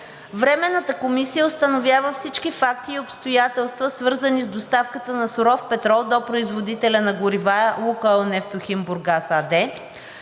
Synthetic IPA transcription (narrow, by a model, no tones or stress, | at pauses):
vɾɛmɛnːət̪əkomisijəʊst̪ɐnovʲjavəfsit͡ʃkifak̚t̪iːopst̪ojat̪ɛlˠst̪vəsvɤɾzənizd̪ost̪afkət̪ənɐsʊɾɔfpɛt̪ɾɔlˠd̪opɾoizvod̪it̪ɛlʲɐnɐɡʊɾivalˠukənɛft̪oximbuɾɡasad̪ɛ